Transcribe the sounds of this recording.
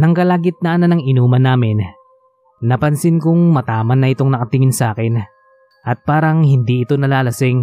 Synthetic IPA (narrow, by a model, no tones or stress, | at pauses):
nɐŋkɐlaːɡɪt̪̚nɐʔɐnanɐŋʔɪnuːmɐnaːmɪnː | ɐpɐnsɪnkʊŋmɐt̪aːmɐnːɐʔɪt̪o̞ŋnɐkɐt̪ɪŋɪnsaːkɪn | ʔɐt̪̚paːɾɐŋhɪnd̪iʔɪt̪o̞nɐlaːlɐsɪŋ